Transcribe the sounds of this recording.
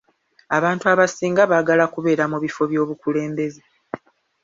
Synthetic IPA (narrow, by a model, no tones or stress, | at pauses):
aβaːntuaβasiːŋɡaβaːɡalakuβe̞ːɾamuβifo̞βjo̞ːβukule̞ːmbe̞ze